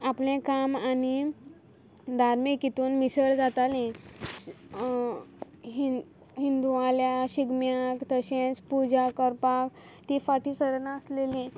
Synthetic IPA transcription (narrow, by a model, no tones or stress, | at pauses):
aplẽkamani | d̪ʱaɾmikit̪uːnmisəɭd͡zat̪alĩ | ɦi | ɦind̪ualjaɕiɡmjakt̪əɕẽt͡spud͡ʑakəɾpak | t̪ifaʈiːsəɾənaəslelĩ